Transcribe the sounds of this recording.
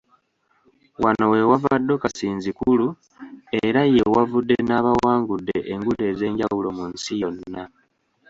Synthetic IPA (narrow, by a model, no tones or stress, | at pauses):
wanowe̞wavadːo̞kasiːnzikulu | e̞ɾajewavudːe̞naːβawaːŋɡudːe̞ʔeŋɡude̞ze̞ːɲɟawulo̞munsijo̞nːa